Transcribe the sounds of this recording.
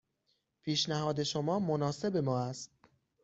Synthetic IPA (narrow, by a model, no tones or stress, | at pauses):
pʰiːʃnæhɒːd̪e̞ʃomɒːmonɒːse̞be̞mɒːæst̪̚